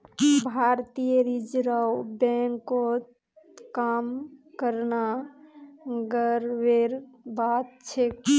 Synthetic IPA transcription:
bʱaɾt̪ijəɾid͡ʒɾawbɛ̃ŋkːot̪ | kamkəɾna | ɡəɾʋeɾbat̪̚t͡ʃʰek

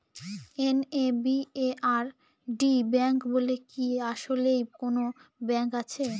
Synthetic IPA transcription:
enebieʔaɾ | ɖibɛŋkbolekiaʃolejkonobɛŋkat͡ɕʰe

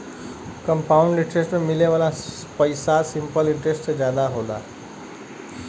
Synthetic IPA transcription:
kʌmpauɳɖiʈɾesʈmemileʋala | pʌjsasimpʌliɳʈɾesʈsd͡zjad̪aɦola̰

